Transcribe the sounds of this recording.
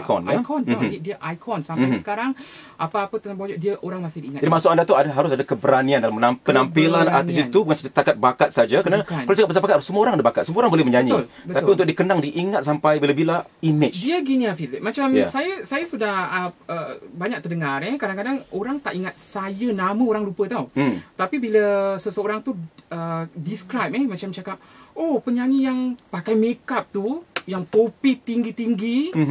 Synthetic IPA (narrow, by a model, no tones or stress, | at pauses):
akɔ̰nakɔnt̪aɡidiaʔajkʰɔnsamajsə̥kaɾaŋ | ʔapaːpət̪ənabad͡ʒɔʔ̚diəʔoɾaŋmasɪhdiiŋat̚d͡ʒadimasʊkandat̪uadaɦaɾʊsadakəbəɾaniandalaməaənampilana̰isit̪ubukansad͡ʒasət̪akat̪̚bakat̪̚sad͡ʒakəɾnaalad͡ʒakapːəsapakat̪səmuəoɾaŋadabakat̪̚səmũoɾaŋbolɛhmə̃ɲd͡ʒaɲil | ət̪apiunt̪ʊk̚diəkənaŋdiʔiŋat̪̚sampajbilabilaimɪt͡ʃdiaɡiniafizɪk̚mat͡ʃamjasajasajasudahəəbaɲak̚t̪ərdəŋãrɛkadaŋkadaŋoɾaŋt̪aʔiŋat̪̚sajənaməoɾaŋlupət̪awt̪apibiləsəsəoɾaŋt̪uədiskɾajp̚ɛmãt͡ʃamt͡ʃakap̚opəɲd͡ʒaɲijaŋpakajmekap̚t̪ujaŋt̪opit̪iŋɡit̪iŋɡi